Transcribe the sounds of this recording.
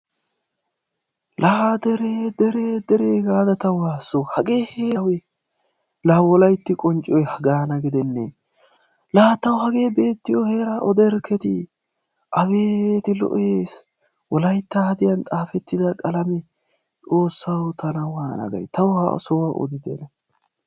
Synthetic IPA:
lʔɐhad̪ɛɾeːd̪ɛɾeːd̪ɛɾeːɡaːd̪ɐt̪ɐwaːsːohɐɡe̞ːheːwɛ | lɐhɐwɔlɐjt̪ːɪkʼɔnt͡ʃʼɔjhɐɡaːnɐɡɪd̪ɛnːɛ̰ | laːt̪ːɐwhɐɡe̞ːbe̞ːt̪ːɪjɔhe̞ːɾaʔɔd̪ɛɾkʰɛt̪ɪ | ʔɐbeːt̪ɪlɔ̰ʔeːs | wɔlɐjt̪ːɐhɐd̪ɪjɐnt̪ʼaːfɛt̪ːɪd̪ɐkʼɐlɐmɛ | t͡sʼo̞ːsːɐwt̪ʰɐnɐwaːnɐ̰ɡɐ̰jt̪ɐwhɐ̰ʔɔ̰sɔwɐʔɔ̰d̪ɪd̪ɛ̰nɐ

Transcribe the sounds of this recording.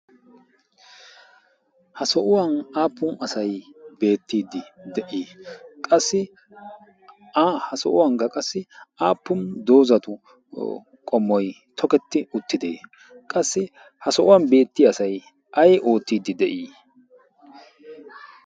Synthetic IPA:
hɐsɔʔʊwɐnaːpːʊnɐsɐjbe̞ːt̪ːiːd̪ːɪd̪ɛʔiːkʼɐsːɪ | hɐsɔ̰ʔʊwɐŋkːɐkʼɐsːɪaːpːʊnd̪o̞ːzɐt̪ʊ | kʼɔmːɔj | t̪ʰɔkɛt̪ːɪʊt̪ːɪd̪ḛː | kʼɐsːɪ | hɐsɔʔʊwɐnbe̞ːt̪ːɪɐsɐj | ʔɐjʔo̞ːt̪ːiːd̪ːɪd̪ɛʔiː

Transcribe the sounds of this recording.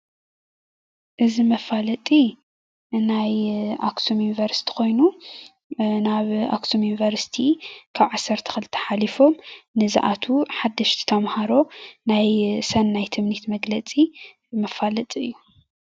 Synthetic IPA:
ʔɨzimɐfalɐt̪ʼi | najʔaksʰomjunivɐɾsi̥t̪ʰi̥ko̞jnu | naβa̰kt̪ʰomjunivɐɾsi̥t̪ʰikʰaβʕasːɐɾt̪ʰɐ̥xɨlɨt̪ʰːɐ̥ħalifo̞mnɨza̰ʔat̪ʰuħad̪ːɐʃt̪ʰi̥t̪ʰɐmhaɾo̞najsɐnːajt̪ʰɨmnit̪mɐɡlɐt͡sʼi | mɐfalɐt̪ʼiɨjːu

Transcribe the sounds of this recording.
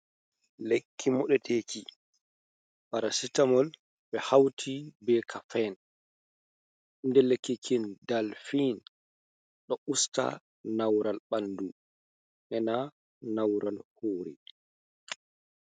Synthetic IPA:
lekʰːimɔɗɛteːki | ɓaɾasitamɔl | ɓɛhawtʰibɛkʰafɛn | ndɛlekːikʰindalfiːn | ɗɔʔusta̰ | nawɾalɓandu | ʔɛna | nawɾalhoːɾḭ

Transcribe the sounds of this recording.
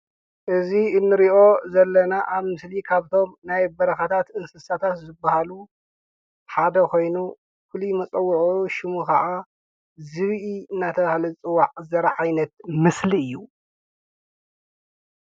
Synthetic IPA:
ʔɨziɨnːɨɾiʔo̞zɐlːɐnaʔaβmɨslikʰaβt̪ʰo̞mnajbɐɾɐxɐt̪ʰat̪ɨnsɨsat̪ʰat̪zɨbːahalu | ħad̪ɐkʰo̞jnu | fɨlimɐt͡sʼɐwːuʕuʃɪmukʰɐʔa | zɨβʔiɨnːat̪ʰɐβahalɐt͡sʼɨwaʕzɐɾɐʕajnɐt̪mɨsliɨjːu

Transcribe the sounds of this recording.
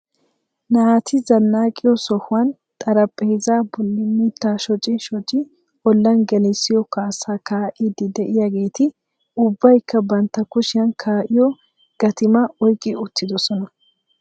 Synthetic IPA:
naːt̪ʰɪzɐnːaːkʼɪjɔsɔhʊwɐn | t̪ʼɐɾɐpʼːɛhɪzaːbɔlːɪmit̪ːaːʃɔt͡ʃʼːɪnʃɔt͡ʃʼːɪ | ʔɔlːɐnɡɛlɛsːɪjɔkaːsaːkaːʔɪd̪ɪd̪ɛʔɪjaɡe̞ːt̪ɪ | ʊbːɐjkːɐbɐnt̪ːɐkʊʃɪjɐnkʰaːʔɪjɔ | ɡ̥ɐt̪ɪmɐɔjkʼːɪʊt̪ːɪd̪ɔsɔnɐ

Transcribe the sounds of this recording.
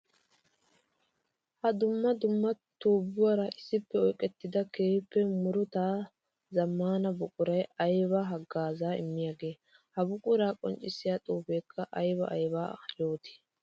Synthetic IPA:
hɐd̪ʊmːɐd̪ʊmːɐt̪uːbːʊwɐɾɐʔɪsːɪpːɛɔjkʼɛt̪ːɪd̪ɐkeːpːɛmʊɾʊt̪aː | zɐmːaːnɐbʊkʼʊɾɐjɐjbɐɦɐɡːaːzaːɪ̰mːɪjaːɡe̞ː | hɐbʊkʼʊɾaːkʼɔ̰nt͡ʃʼɪsɪjaːt̪ʼuːbeːkʰːɐʔɐjbɐʔɐjbaːjoːt̪ɪ̥

